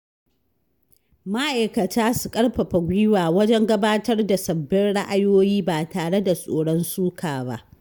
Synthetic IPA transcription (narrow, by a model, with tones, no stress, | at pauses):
ma˦ʔa˨jkɐ˨taː˦su˨kʼɐ˦ɽɸɐ˨ɸa˨ɡʷiː˦waː˨wɐ˦d͡ʒɛ˦ŋɡɐ˦baː˦tɐ˦rda˨sɐ˨bːɪ˦nɽa˦ʔa˨joː˦jiː˦baː˨taː˨ɽe˦da˨sʼoː˨ɽɔ˦nsuː˦kʰaː˨ba̰˦ʔ